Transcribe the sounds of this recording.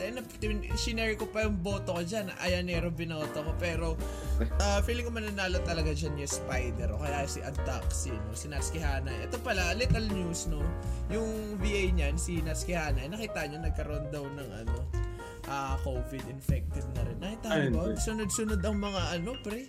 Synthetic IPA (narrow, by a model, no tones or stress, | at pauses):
ɛnɐp̪ʃɪnɛɹɪkopɐjʊŋbo̞ːt̪o̞kod͡ʒanʔɐ̰janːɛɾobɪno̞ːt̪okopɛːɾo̞ | ʔafiːlɪŋkːomɐnɐnaːlot̪ɐlɐɡad͡ʒanjʊspajd̪ɛɾkokɐjasɪʔɐnt̪aksinosɪnɐskɪhaːnɐjʔɛ̰t̪o̞pɐlalik̪ɐlnjusno̞jʊŋ | viʔajɲansinaskɪhaːnɐjnɐkiːt̪aʔɲonɐɡ̚kɐɾoʔond̪ɐwnɐŋʔɐ̰no̞̰ | ʔaːkowvɪd̪ɪnfɛk̚t̪ɪvnɐɾɪnːɐkit̪aːbɐɡsʊnod̪̚sʊnod̪ɐŋmɐŋaʔɐno̞pɾɛ